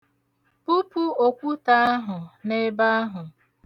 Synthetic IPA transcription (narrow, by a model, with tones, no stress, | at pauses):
pu˦pu˦o˨kʷu˦ta˦a˦ɦʊ˨ne˦ba˦a˦ɦʊ˨